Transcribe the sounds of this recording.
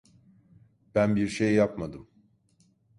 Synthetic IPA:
b̥ænbiɾʃejːapmad̪ɯm

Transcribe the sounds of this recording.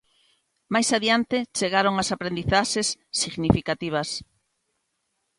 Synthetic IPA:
majsaðjant̪et͡ʃeɣaɾoŋasapɾend̪iθaʃesːiɣnifikat̪iβ̞ɐs

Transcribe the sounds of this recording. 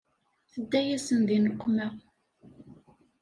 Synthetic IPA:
θəd̪ːæjæsənðinəqʷːmæ

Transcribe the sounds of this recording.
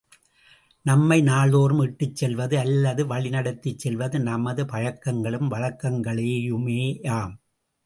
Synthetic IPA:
nɐmːɐɪnaːɭoːɾɯmɪʈːɯt͡ʃsɛlʋɐðɯɐlːɐðɯʋɐɭɪnɐɽɐt̪ːɪt͡ʃsɛlʋɐðɯnɐmɐðɯpɐɻɐkːɐŋɡɐɭɯmʋɐɻɐkːɐŋɡɐɭeːjɯmeːaːm

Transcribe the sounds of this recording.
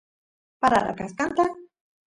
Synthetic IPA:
paɾaɾa̰kaskant̪a

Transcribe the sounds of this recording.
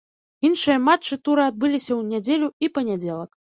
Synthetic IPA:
inʂɨjɐmat͡ʂːɨt̪uɾɨad̪̚bɨlʲisʲɐwnʲad͡zʲelʲuipɐnʲad͡zʲɛlˠɐk

